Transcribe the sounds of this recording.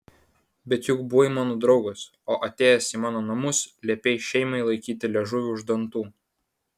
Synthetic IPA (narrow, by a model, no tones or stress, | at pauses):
bʲɛt̪jʊkbʊʋoɪmɑːnoːd̪ɾɒʊɡos | oːʔɐt̪ʲeːjɛsiːmɑːnoːnɐmʊslʲɛːpʲeːjʃʲɛɪmɐɪlˠɐɪkʲiːt̪ʲɪlʲɛʒʊʋʲʊʊʒd̪ɐnt̪uː